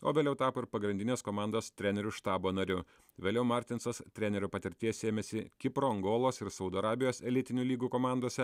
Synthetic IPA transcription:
oːʋʲeːlʲɛʊt̪ɑːpoːɪɾpɐɡɾʲɪnd̪ʲɪnʲeːskoːmɑˑnd̪oːst̪ʲɾʲɛnʲɛɾʲʊʃt̪ɑːboːnɐɾʲʊ | ʋʲeːlʲɛʊmɑˑɾʲt̪ʲɪnsɐst̪ʲɾʲɛnʲɛɾʲupɐt̪ʲɪɾʲt̪ʲiɛsʲeːmʲɛsʲɪkʲɪpɾoːɐŋɡoːlˠoːsɪɾsɒʊd̪oːɐɾɑːbʲɪjoːsɛlʲɪt̪ʲɪnʲuːlʲiːɡuːkoːmɑˑnd̪oːsʲɛ

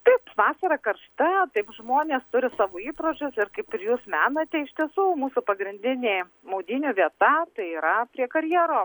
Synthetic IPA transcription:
t̪ɐɪpʋɑːsʲɐɾɐkɐrʃt̪ɐt̪ɐɪpʒmoːnʲeːst̪ʊɾʲɪsɑːʋoːiːpɾoːd͡ʒʲʊsɪɾkɐɪpɪɾjuːsmʲæːnɐt̪ʲɛɪʃʲt̪ʲiɛsuːmuːsʊpɐɡɾʲɪnʲd̪ʲɪnʲeː | mɐʊd̪ʲiːnʲuːʋʲiɛt̪ɐt̪ɐɪiːɾɐpʲɾʲiɛkɐɾʲjɛːɾoː

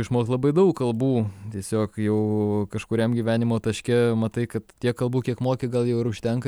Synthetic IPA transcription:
ɪʃmoːkstlˠɐbɐɪd̪ɐʊkkɐlˠbuːt̪ʲiɛsʲoːkjɛʊkɐʃkʊɾʲɛmɡʲiʋʲæːnʲɪmoːt̪ɐʃʲkʲɛmɐt̪ɐɪkɐt̪tʲiɛkkɐlˠbuːkʲiɛkmoːkʲɪɡɐlˠjɛʊɪɾʊʃʲt̪ʲɛŋkɐ

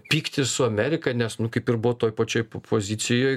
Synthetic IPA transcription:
pʲiːkt̪ʲɪsʊɐmʲæːɾʲɪkɐɪnʲɛsnʊkɐɪpɪrbʊʋot̪oːjpɐt͡ʃʲoːjpʰoːzʲɪt̪t͡s̪ʲɪjoːj

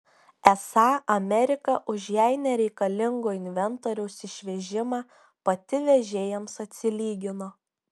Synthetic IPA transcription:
ɛsɑːɐmʲɛɾʲɪkɐʔʊʒjɛɪnʲɛɾʲɛɪkɐlʲɪŋɡoːɪnʲʋʲɛnt̪oːɾʲɛʊsɪʃʲʋʲɛʒʲɪmɑː | pɐt̪ʲɪʋʲɛʒʲeːjɛmsɐt̪ʲsʲɪlʲiːɡʲɪnoː

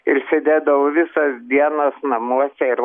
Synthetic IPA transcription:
ɪɾsʲed̪ʲeːd̪ɐʋoʋʲɪsɐsd̪ʲiɛnɐsnɐmuɔsʲɛɪɾ

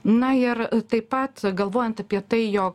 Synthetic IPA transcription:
nɐɪɾt̪ɐɪpɐt̪ɡɐlˠʋoːjɛnt̪ɐpʲiɛt̪ɐɪjoːk̚

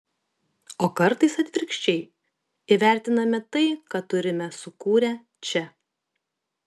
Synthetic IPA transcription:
oːkɐɾt̪ɐɪsɐt̪ʲʋʲɪɾʲkʃʲt͡ʃʲɛɪ | iʋʲæˑɾʲt̪ʲɪnɐmʲɛt̪ɐɪkɑt̪ʊɾʲɪmʲɛsʊkuːɾʲɛ | t͡ʃʲɛ

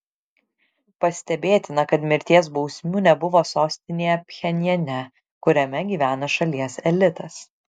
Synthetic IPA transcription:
pɐsʲt̪ʲɛbʲeːt̪ʲɪnɐkɐt̪mʲɪɾʲt̪ʲiɛsbɒʊsʲmʲuːnʲɛbʊʋoːsoːsʲt̪ʲɪnʲeːjɛpʲxʲɛnʲɛnʲɛ | kʊɾʲɛmʲɛɡʲiːʋʲæːnɐʃɐlʲiɛsɛlʲɪt̪ɐs

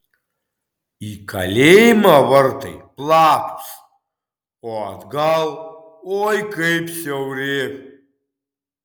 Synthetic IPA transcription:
ikʰa̰lʲejmawərt̪ʰɐ̰jpʼlapʰt͡sʰ | oad̪ɡalˠ | ojkʰʼejpʰsawre

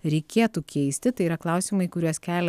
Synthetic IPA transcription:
ɾʲɛɪkʲeːt̪uːkʲʰɛɪsʲt̪ʲɪt̪ɐɪiɾɐklˠɐˑʊsʲiːmɐɪkʊɾʲuɔskʲæːlʲ

